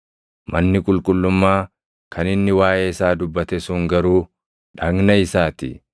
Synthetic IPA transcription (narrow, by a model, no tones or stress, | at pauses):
mɐnːɪkʼʊlkʼʊlːʊmːaː | kʰɐnɪnːɪwaːʔeːɪsaːd̪ʊbːɐt̪ɛsʊŋɡɐɾuː | ᶑɐɡnɐɪsaːt̪ɪ̰